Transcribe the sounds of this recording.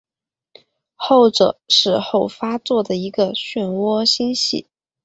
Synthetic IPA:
xo˥˩ʊʈ͡ʂɤ̰˨˩˦ʂɻ̩˥˧xo˥˩ʊfa˥t͡swɔ˥˩d̪ə˩i˧˥ɡə˧ɕɥɛ˥˩nwɔ˥ɕi˥nɕḭ˥˩

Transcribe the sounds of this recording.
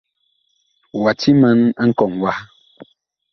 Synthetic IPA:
wa˨ti˦mə˦na˦ŋ̩˦kɔ˨ŋwa˦

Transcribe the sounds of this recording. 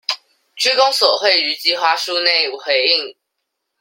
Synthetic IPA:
t͡ɕʰy˥kʊ˥ŋsɔ˨˩xwe˥˩ɪy˧˥t͡ɕi˧˥xwa˥ʂu˥˧ne˥˩ɪ˨xwe˧˥ɪi˥˨ŋ

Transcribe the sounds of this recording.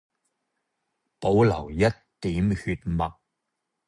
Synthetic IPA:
po˨˥wlɐ̰˨˩wjɐ˥t̚ | t̪iː˨˥mhy˧t̚mɐ˨k̚

